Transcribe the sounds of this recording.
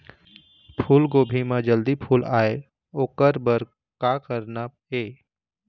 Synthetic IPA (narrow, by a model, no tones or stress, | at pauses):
pʰuːlɡoːbʱimãd͡ʒəld̪ipʰuːlaːe | oːkəɾbəɾ | kakəɾna | eː